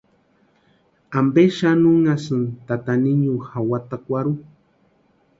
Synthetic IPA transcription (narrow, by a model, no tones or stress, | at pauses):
ambeʃanuŋasɨnt̪at̪aniɲuhawat̪akʷaɾu